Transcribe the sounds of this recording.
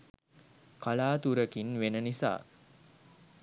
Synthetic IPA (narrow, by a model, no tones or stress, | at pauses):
kalaːt̪uɾəkinʋenənisa̰ː